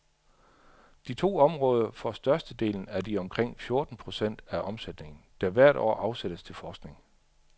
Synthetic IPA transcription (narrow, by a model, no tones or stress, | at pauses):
d̥it͡sʰo̝̰ːɒ̽mʁɔ̽ːð̞ˠɐfɒ̽sd̥ɶɐsd̥əd̥e̝̰ːln̩æɐd̥iɒ̽mkʰʁeŋ̰fjo̝ɐd̥n̩pʰʁo̝sen̰d̥æʔɒ̽msed̥ne̝ŋn̩d̥æʋæɐ̰ɾ̥ɒ̰ːʔɑ̈ʊsed̥əst͡sʰe̝lfɒːsɡ̥ne̝ŋ